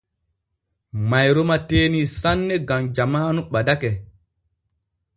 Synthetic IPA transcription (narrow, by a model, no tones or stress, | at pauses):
majɾɔmateːnisanːɛɡamd͡ʒamaːnuɓadakɛ